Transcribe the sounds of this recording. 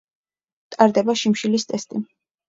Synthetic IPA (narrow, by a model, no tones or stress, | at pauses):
t̪ʼaɾd̪ɛbaʃimʃilist̪ʼɛst̪ʼi